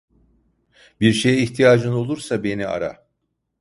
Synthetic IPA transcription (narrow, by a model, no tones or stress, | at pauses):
biɾʃe̞jɛiçt̪ʰijaːd͡ʒɯno̞lˠuɾsabe̞nia̰ɾa̰